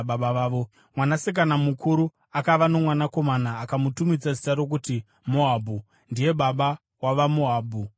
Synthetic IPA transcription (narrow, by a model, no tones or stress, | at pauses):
ɓaɓaʋaːʋo̞ | mwanasek̬anamukuɾu | akaʋano̞mwanako̞manaːkamutumid͡zazi̥taɾo̞k̬uti | moɦaːbʱu | ndije̞ɓaɓa | waʋamoɦaːbʱu